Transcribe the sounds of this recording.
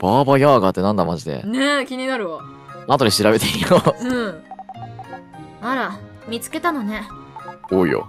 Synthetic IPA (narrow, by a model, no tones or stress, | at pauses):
b̥aːbajaːɡat̪ːe̞nãnd̪amaʑid̪e̞̰nekʲiɲ̟inaɾɯ̟βa | ãt̪oɾʲiɕiɾabe̞t̪eijoɯ̟̃ | maɾa | mʲit͡sɨ̥ke̞t̪anone̞ | oːḭjo̰